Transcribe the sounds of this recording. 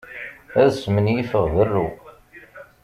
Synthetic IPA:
æðsmənjifəʁðərːu

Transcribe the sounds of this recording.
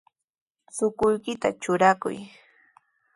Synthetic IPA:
sʊkʊjkɪt̪a̰t͡ʃʊɾakʊ̰j

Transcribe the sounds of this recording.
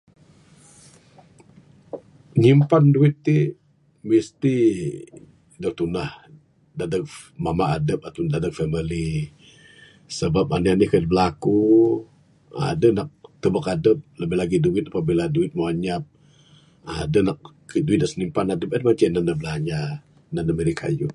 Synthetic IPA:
ɲimpanduɪt̪ːi | mist̪i | dət̪unah | dadək̚ | mamaadəp̚at̪undadək̚fɛmili | səbap̚anianihkadəbəlaku | a̰dənak̚t̪əbakadəp̚ləbɪhlaɡiduɪt̪̚apabiladuɪt̪̚maaɲap̚ | adənak̚ | əduit̪̚asəɲimpanadəp̚adəmat͡ʃananəbəlaɲa | nandəməɾikʰa̰ju

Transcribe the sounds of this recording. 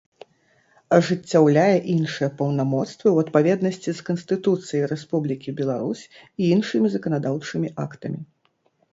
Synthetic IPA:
ɐʐɨt͡sʲːawlʲajɛʔinʂɨjɛpɐwnamɔt̪st̪vɨwɐt̪̚pavʲɛd̪nɐsʲt͡sʲiskɐnsʲt̪ɨt̪ut̪sɨjɐjɾɛspublʲikʲibʲɛlˠaɾusʲiinʂɨmʲizɐkɐnad̪awt͡ʂɨmʲiʔakt̪ɐmʲi

